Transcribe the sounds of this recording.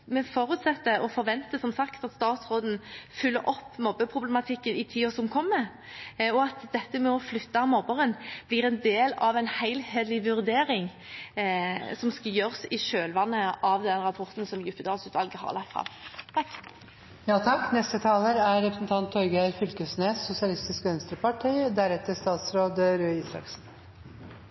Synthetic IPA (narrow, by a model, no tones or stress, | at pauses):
mɛfoːɾʉːt̪sɛt̪ːəɔfɔʁʋɛnt̪əsɔmsɑkt̪ɑt̪st̪ɑːt̪sʁoːd̪n̩fʏlːəɾɔpːmɔbːəpʰʁʊblɛmɑt̪ʰɪkːənɪt̪ʰiːɔsɔmkʰɔmːə | ɔɑt̪d̪ɛt̪ːəmɛɔflʏt̪ːɑmɔbəʁənblɪʁɛnd̪eːlɑʋæɪnhæɪlheːd̪lɪʋʉʁd̪eːɾɪŋ | sɔmskɑjøːʁsɪʃøːlʋɑnːəʔɑʋd̪ɛnʁɑpʰɔʁt̪n̩sɔmjʉpːəd̪ɑːlsʉːt̪ʋɑlɡəɦɑ̰ʁlɑkt̪fʁɑ̰mt̪ʰɑkː | jɑːt̪ʰɑkːnɛst̪ət̪ʰɑːləɾæɾɾɛpɾəsn̩t̪ʰɑnt̪ʰːɔʏɡæɾfʏlkəsnesːʊsɪɑlɪst̪ɪskəœnst̪ɾəpɑʈʰiːd̪æɾɛt̪ːəʂt̪ɑːt̪sɾoːd̪əɾøːiːsɾɑ̰ksn̩